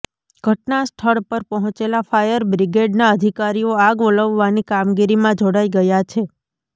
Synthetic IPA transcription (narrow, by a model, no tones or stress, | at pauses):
ɡ̥ʱəʈnasʈʰəɽpəɾpɔɦɔ̃t͡ʃelafajəɾbɾiɡeɖnaəd̪ʱikaɾijoaɡʋələʋːanikamɡiɾimãd͡ʒoɽaiɡəjat͡ʃʰe